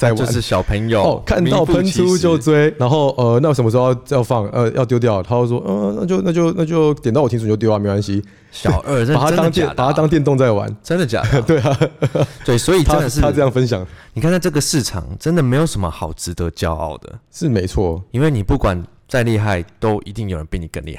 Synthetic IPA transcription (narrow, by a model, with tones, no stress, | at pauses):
t͡sa˥˩ɪwo˧˦nʂɻ̩˥˩ɕjɑ˨˩ʊpʰə˧˥ŋjo˨˧ɔ˨˩kʰa˥˧nt̪ɑ˥˨pʰə˧˦nt͡sʰu˦t͡ɕjo˥˨ʊt͡swe˥ɪna˧˦˥nxo˥˨ʊʔə˧na˥˩o˧˥ʂə˨˩mə˧ʂo˥˧jʊjɑ˥˧ʊfɑ˥˨˩ŋʔə˧jɑ̰˥˧ʊt̪jo˥ʊt̪jɑ˥˩ʊt̪ʰa˥jo˥˧ʊʂwɔ˦˥ʔə˧na̰˥˩t͡ɕjo˥˧ʊna˥˧˩t͡ɕjo˥˧ʊna˥˩t͡ɕjo˥˧ʊt̪jɛ˨nt̪w̪ʰĩ˥˧˨ja˥˨me˥ɪ˧wa˧˥nɕi˦˥ | ɕjɑ˥˨˩ʊə˥˧˥p̪a˧˥t̪ɑ˥ŋt̪jɛ˥˨n˨pa˨˩t̪ʰa˥t̪ɑ˥ŋt̪jɛ˥˧nt̪o˥˧ŋt͡sa˥˩ɪwa̰˧˦nʈ͡ʂə˦˥nd̪ə˨˩t͡ɕja̰˨˩t̪we˥˩ɪa˩t̪we˥˩i˨swɔ˧˦˥i˨˩t̪ə˦nd̪ə˨ʂ̬̩ʰ˥˧a˥˩ɤ˥˧jɑ˥˩ŋfə˦nɕjɑ˨˩˦ŋni˨kʰn˥˧˩ʈ͡ʂə˥˩ɡə˩ʂɻ̩˥˩ʈ͡ʂʰɑ̰˨˩ŋʈ͡ʂə˦nd̪ə˨me˧˥ɪjo˨ʊʂə˧˦nmə̰˧xɑ˨˩ʊʈ͡ʂɻ̩˧˦t̪ə˧˦t͡ɕjɑ˦˥ʊɑ̰˥˩ʊd̪ə̰˩ʂɻ̩˥˨me˧˥ɪt͡sʰwɔ˥˩i˥nwe˥˩ɪni˨˩pu˥˩kwa˨˩n | t͡sa˥˧ɪli˥˧xa˥˩ɪt̪o˥ʊʔi˧t̪i˥˩ŋjo˨˩ʊɻə˦˥pe˥˩ni˨˩kə̰˥˧nlḭ˨˧xa˥˩